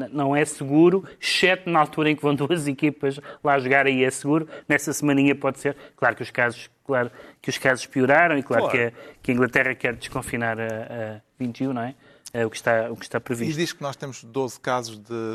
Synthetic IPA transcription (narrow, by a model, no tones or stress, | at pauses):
nɐ̃w̃ɛsɨɣuɾuʃɛt̪nɐalˠt̪uɾɐẽkvɐ̃w̃d̪uɐzikipɐʒlˠaɐʒuɣaɾɐiɛsɨɣuɾunɛsɐsmɐniɲɐpɔðseɾklˠaɾkuʃkazuʃklˠaɾukuʃkazu̥ʃpiuɾaɾɐ̃w̃iklˠaɾkɐkɐĩŋɡlˠɐt̪ɛʁɐkɛɾd̪ɨʃkõfinaɾɐɐvĩnt̪jũnɐ̃w̃ɛ | ɛukʃt̪aukʃt̪apɾɨviʃt̪ðiʃknɔʃt̪emuʒ̥d̪ozkazuʒðɨ